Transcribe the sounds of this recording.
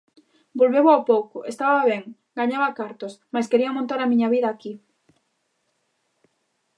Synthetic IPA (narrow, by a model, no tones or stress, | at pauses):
bolβeβoawpowkʊʔest̪aβaβeŋ | ɡaɲaβakaɾt̪osmajskeɾiamõnt̪aɾamĩɲaβiðaːki